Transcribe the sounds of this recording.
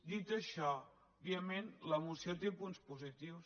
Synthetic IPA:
d̪it̪əʃɔ | βiəmenləmusjot̪epunspuzit̪iws

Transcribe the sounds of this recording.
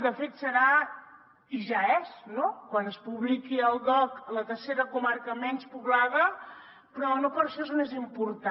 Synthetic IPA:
d̪əfet̪səɾa | iʒaɛsnokwanəspuβlikiəlˠdɔklət̪əɾseɾəkumaɾkəmɛnspuβlaðə | pɾɔnopəɾʃɔezmezimpuɾt̪a

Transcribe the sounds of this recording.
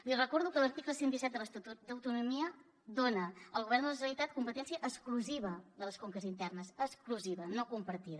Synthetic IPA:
lirəkɔɾðukələɾt̪ikləsɛnd̪isɛt̪d̪ələst̪ut̪ud̪əwt̪unumiə | d̪onəəlˠɣuβɛrnd̪ələʒənəlit̪at̪̚kumpət̪ɛnsijəʔəskluziβəðələskoŋkəzint̪ɛrnəsəskluziβənokumpəɾt̪iðə

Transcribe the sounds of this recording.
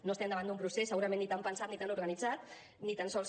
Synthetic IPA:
noəst̪ɛmd̪əβand̪umpɾusesəɣuɾəmẽnːit̪ampənsat̪nit̪anuɾɣənid͡zat̪ | nit̪ansɔl

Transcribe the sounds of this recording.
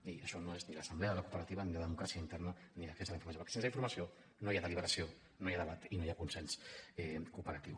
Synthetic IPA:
iəʃɔnoezniləsəmblɛəðələkupəɾət̪iβəniləðəmukɾasiəint̪ɛrnəniləksesðəliɱfuɾmsjopɾkesensiɱfuɾmɐsio | nojaðəliβəɾəsio | nojaðəβat̪inojakunsɛnsɛkupəɾət̪ḭw

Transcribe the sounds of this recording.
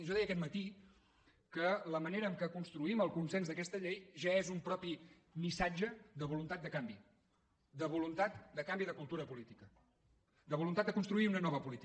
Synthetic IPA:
ʒɔðɛjəkɛt̪mət̪i | kələməneɾəːmkəkunst̪ɾuiməlˠkunsenzðəkɛst̪əʎejʒaezumpɾɔpi | misad͡ʒəðəβulunt̪at̪̚d̪əkambi | d̪əβulunt̪at̪d̪əkambiðəkulˠt̪uɾəpulit̪ikə | d̪əβulunt̪at̪̚d̪əkunst̪ɾuiunənɔβəpulit̪i

